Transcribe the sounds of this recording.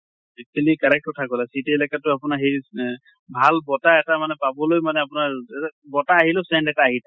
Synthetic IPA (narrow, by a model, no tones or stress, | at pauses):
ɛk̚tulikaɹɛk̚tɔtʰakɔlasitɛlakatʊapʊnaɹɦej | bʱalbɔtaɛtamanɛpabɔlojmanɛapʊnaɹɛbɔtaːɦilɔsɛndɛtaːɦita